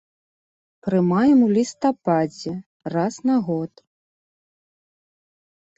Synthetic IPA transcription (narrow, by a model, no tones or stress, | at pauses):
pɾɨmajɛmulʲist̪apad͡zʲɛ | rasnaɣɔt̪